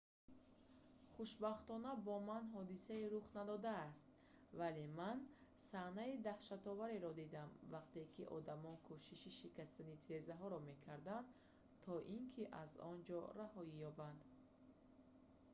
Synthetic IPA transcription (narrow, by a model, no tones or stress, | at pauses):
χuʃbaχt̪ɔnabɔmanɦɔd̪isaiɾuχnad̪ɔd̪aːst̪ | vale̞man | sahnaid̪ahʃat̪ɔvaɾeɾɔd̪id̪amvaqt̪e̞kʰiʔɔ̰d̪amɔnkʰuʃiʃiʃikast̪anit̪ʰiɾe̞zaɦɔɾɔme̞kʰaɾd̪and̪ | t̪ʰɔʔiŋkʰiʔazɔ̰nd͡ʒɔ̰ɾahɔijɔband̪